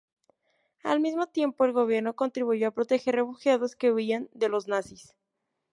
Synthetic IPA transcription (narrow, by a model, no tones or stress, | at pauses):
a̰lmizmo̞t̪je̞mpo̞e̞lɣo̞β̞je̞ɾnoko̞nt̪ɾiβuʝo̞apɾo̞t̪e̞xe̞ɾre̞fuxjaðo̞ske̞uiand̪e̞lo̞znasis